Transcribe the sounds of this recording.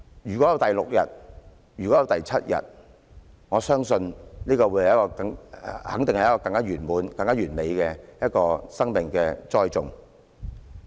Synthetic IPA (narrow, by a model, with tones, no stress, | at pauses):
jyː˨˩kɔ˨˥jɐ˧wt̪ɐ˨jlʊ˨k̚jɐ̰˨t̚ | jyː˨˩kɔː˨˥jɐ˨˧wt̪ɐ˨jt͡sʰɐ˥t̚jɐ̰˨t̚ | ŋɔː˨˧sœː˥ŋsɵ˧nniː˥kɔː˧wu˨˥jhjɐ˥kɔː˧kɐ˧ŋhɐ̰˨˥ŋt̪ɪ˨ŋhɐ˨jɐ˥kɔː˧kɐ˧ŋkaː˥jyː˨˩nmuː˨˧nkɐ˧ŋkaː˥ɥyː˨˩nme˨jkɛː˧jɐ˥t̚kɔː˧sɐ˥ŋmɪ˨˩ŋkɛː˧t͡sɔː˥jt͡sʊ̰˨ŋ